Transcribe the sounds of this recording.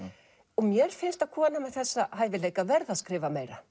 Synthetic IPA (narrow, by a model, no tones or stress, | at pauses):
ɔmjɛɾ̥fɪnst̪aðkʰɔːnamɛðθɛsːaɦaːjvɪleːjkavɛɾðaskɾɪːvameːjɾa